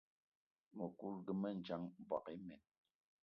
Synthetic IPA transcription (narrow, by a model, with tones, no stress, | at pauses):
mo˨ku˦lɡə˨mɛ˦˨n̩˨d͡ʒa˦ŋba̰˨ki˦mɛ˨n